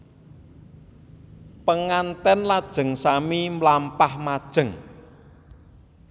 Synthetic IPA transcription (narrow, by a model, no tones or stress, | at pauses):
pəŋant̪ɛnlad̥ʒ̥ə̤ŋsamimlampahmad̥ʒ̥ə̤ŋ